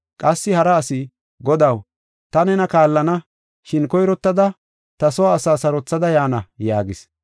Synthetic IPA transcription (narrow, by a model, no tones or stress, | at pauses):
kʼɐsːɪhɐɾɐːsɪ | ɡɔd̪ɐw | t̪ɐnɛnɐkaːlːɐnɐ | ʃɪnkɔjɾɔt̪ːɐd̪ɐ | t̪ɐsɔwaːsaːsɐɾɔt͡sːɐd̪ɐjaːnɐjaːɡɪs